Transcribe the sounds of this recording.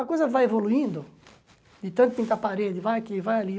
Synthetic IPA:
ɐkojzɐvajevoluĩnd̪ʊ | d̪ɪt̪ɐ̃nt̪ʊĩŋk̪apaɾed̪ɪvajkɪvajali

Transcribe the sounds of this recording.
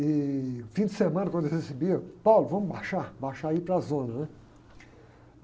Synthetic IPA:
ɪʊfĩd͡ʒɪsemɐ̃nɐkwɐ̃d̪hesibiɐpawlʊvɐ̃mʊbaʃabaʃaipɾɐzõnɐnɛ

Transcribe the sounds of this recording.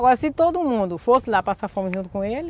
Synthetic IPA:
ɡɔɾɐsɪt̪od̪ʊmũnd̪ʊfosɪlapasafɔmɪ̃ʒũnd̪ʊkõelɪ

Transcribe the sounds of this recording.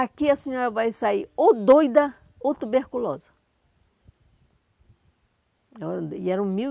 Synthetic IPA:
akiɐsẽɲɔɾɐvajsaiɾod̪ojd̪ɐ | ot̪ubeɾkulɔzɐ̥ | ɔɾɐiɛɾɐũmi

